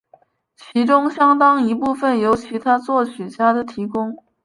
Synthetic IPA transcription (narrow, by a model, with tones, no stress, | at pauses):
t͡ɕʰi˧˥ʈ͡ʂʊ˥ŋɕjɑ˥ŋt̪ɑ˥ŋi˧˥pu˥˧fə˥˩njo˧˥ʊt͡ɕʰi˧˥t̪ʰa˥t͡swɔ˥˩ɕy˨˩t͡ɕja˥d̪ə˨t̪ʰi˧˥kʊ˥ŋ